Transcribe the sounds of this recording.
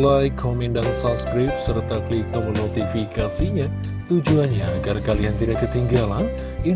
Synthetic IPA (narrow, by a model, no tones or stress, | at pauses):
lajkomindaŋsanskɾɪp̚sərt̪ak̪lit̪ɔmənot̪ifikasiɲa | t̪ud͡ʒuanɲaːɡarkaliant̪idaʔd̪ət̪iŋɡalan | i